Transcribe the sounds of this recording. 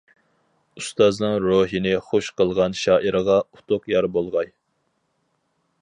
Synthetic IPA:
ust̪ɑznɨŋɾoɦinɪχoʃqʰəlˠʁɑnʃɑːʔiɾəʁɑʊ̥t̪ʰʊqjɑɾbolˠʁɑj

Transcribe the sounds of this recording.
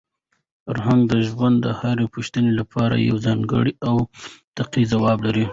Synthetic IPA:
aɾɦanɡ̪̚d̪əʒwand̪d̪əhaɾepuʃt̪ənelapʰɑɾa̰ja̰wzɑŋɡə̰ɽiʔawt̪aqizawɑblaɾi

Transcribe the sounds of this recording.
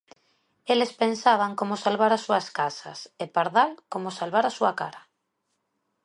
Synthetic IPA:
elespensaβ̞aŋkomosalβaɾasuaskasa̰sepaɾðalkomosalβaɾasuaka̰ɾa

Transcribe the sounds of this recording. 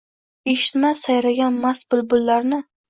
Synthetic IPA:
eʃɪt̪masajlaɡʲanmasbʊlbʊlːaɾnɪ

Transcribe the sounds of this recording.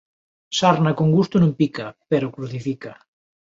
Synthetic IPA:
saɾnakoŋɡust̪ʊnõmpikapeɾokɾuθifika

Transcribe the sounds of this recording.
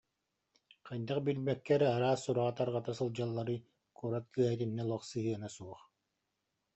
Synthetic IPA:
qɯjd̪aqbilmɛkːɛɾaɾaːsːuɾaʁat̪aɾʁat̪asɯlˠd͡ʑalˠːaɾɯ | kuɔɾat̪̚kɯɛɦɛt̪inːɛlˠɔχsɯɦɯɛnasuɔχ

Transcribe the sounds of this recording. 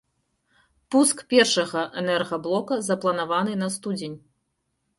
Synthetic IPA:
puskpʲɛrʂɐɣɐʔɛnɛrɣɐblˠɔkɐzɐplˠɐnavanɨnɐst̪ud͡zʲenʲ

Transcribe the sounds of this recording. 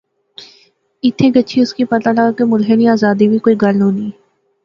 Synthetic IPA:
ɪt̪ʰːeːɡəːt͡ʃʰiʊskipɐt̪aləɡakemʊlɦeniaːzaːd̪ibʱikoːiɡəlnõːniː

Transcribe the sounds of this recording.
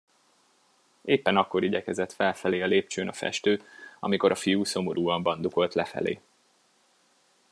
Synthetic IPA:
eːpːɛnɒkːo̞ɾiɟɛkɛzɛt̪fɛlfɛleːɒleːp̚t͡ʃøːnɒfɛ̰ʃt̪øːɒ̰miko̞ɾɒfijuːso̞mo̞ɾʔuːɒmbɒnd̪uko̞lt̪lɛfɛ̰lḛː

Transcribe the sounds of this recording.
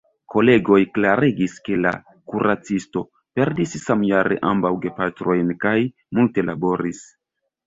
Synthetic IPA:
ko̞le̞ɡo̞jklaɾeɡiske̞la̰ | kuɾʔat͡sisto̞ | pe̞ɾdissamjaɾḛʔa̰mbawɡe̞patɾo̞jnkaj | multe̞labo̞ɾis

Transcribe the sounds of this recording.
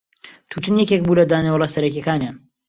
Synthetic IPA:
t̪ʰut̪ɨnjɛkek̚buːlɐd̪aːnewlˠɛsɐɾɐkekaːnjaːn

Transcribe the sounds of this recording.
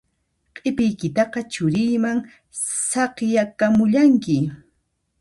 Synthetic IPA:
qʼɪpɪjkɪt̪ɑqɑt͡ʃʊɾɪjmaŋ | sɑqjakamʊʎaŋkɪ

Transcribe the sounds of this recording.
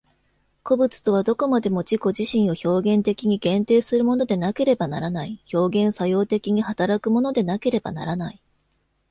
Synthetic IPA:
ko̞bɯ̟t͡sɨ̥t̪o̞β̞ad̪o̞ko̞mad̪e̞mo̞d͡ʑiko̞ʑiɕĩɰ̃o̞ço̞ːɡẽ̞nt̪e̞kʲiɲ̟iɡ̥ẽ̞nt̪e̞ːsɨɾɯ̟mo̞no̞d̪e̞nake̞ɾe̞bana̰ɾanaiço̞ːɡẽ̞ɰ̃sajo̞ːt̪e̞kʲiɲ̟ihat̪aɾakɯ̟mo̞no̞d̪e̞nake̞ɾe̞ba̰na̰ɾanai

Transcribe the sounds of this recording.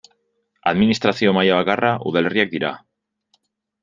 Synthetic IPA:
a̰ðminist̪ɾaθio̞majaβakaraʔṵðale̞riak̚d̪iɾa̰

